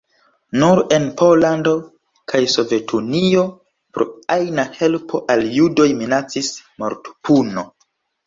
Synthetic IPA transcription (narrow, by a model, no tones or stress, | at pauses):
nuɾe̞npo̞lando̞ | kʰajso̞ve̞tʰunio | pɾo̰ajnahe̞lpʰo̞ʔaljudo̞jminat͡sismaɾtu̥puno̞